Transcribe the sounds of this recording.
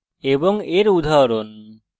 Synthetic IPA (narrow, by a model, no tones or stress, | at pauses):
ebɔŋeɾud̪ʱaɾon